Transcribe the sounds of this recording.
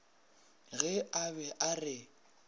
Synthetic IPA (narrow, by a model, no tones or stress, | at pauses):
ɣɛaβɛʔarɪ